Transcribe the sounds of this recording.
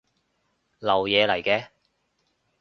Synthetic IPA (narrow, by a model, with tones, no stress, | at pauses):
lɐ˨˩wjɛː˨˧lɐ˨˩jkɛː˧